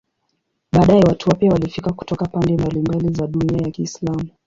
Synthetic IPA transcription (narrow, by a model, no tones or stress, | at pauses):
ɓaːɗaɛwatʰuapiawalifikaku̥tɔkapandɛmbalimbalizaɗuniajakiːslamu